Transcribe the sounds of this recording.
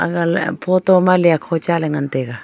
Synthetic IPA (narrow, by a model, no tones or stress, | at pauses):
a̰ɡalpʰot̪omaliakʰot͡ʃaleŋant̪eɡa